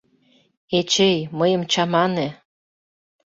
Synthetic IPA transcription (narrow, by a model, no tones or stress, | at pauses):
et͡ɕejməjə̆mt͡ɕɑmɑnĕ